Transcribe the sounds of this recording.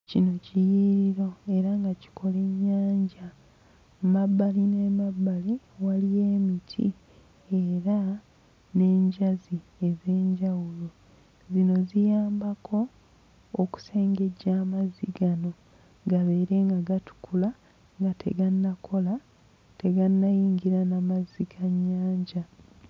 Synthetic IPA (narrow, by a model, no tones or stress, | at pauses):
cino̞cijiɾiɾo̞e̞ɾaŋɡaci̥kʰo̞le̞ɲːaːɲɟa | mabːaline̞mabːali | walije̞ːmitʰḭ | eɾa | ne̞ːɲɟazie̞ze̞ːɲɟawulo | zino̞zijaːmbakʰo̞ː | ku̥se̞ːŋɡe̞ɟaːmaziɡano̞ | ɡaβe̞ːɾe̞ŋɡaɡatu̥kʰula | ŋɡatʰe̞̰ɡanːakʰo̞la | te̞ɡanːajiːŋɡiɾanamazikʰaɲːaːɲɟa